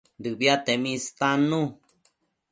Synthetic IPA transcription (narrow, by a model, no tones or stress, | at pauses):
d̪ɨbiat̪emĩst̪anũ